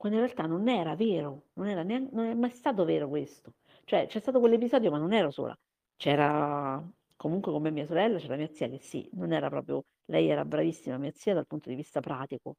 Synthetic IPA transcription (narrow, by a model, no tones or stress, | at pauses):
kwand̪oinrɾealt̪anːonɛːɾaveːɾononɛːɾaneaŋnonɛmːajst̪aːt̪̬oveːɾokwest̪o | t͡ʃoɛt͡ʃːɛst̪aːt̪okwelːep̬izɔːd̪jomanːonɛːɾoso̰ːlʔa̰ | t͡ʃɛːɾa | komuŋkwekomemːiːasoɾɛlːat͡ʃɛːɾamiːat̪siːak̟esːḭnonɛːɾapɾɔ̰ːpɾjo̰ | lɛjɛːɾa̰bɾavisːimamiːat̪sːiːad̪alpunt̪od̪ivist̪apɾaːt̪iko̰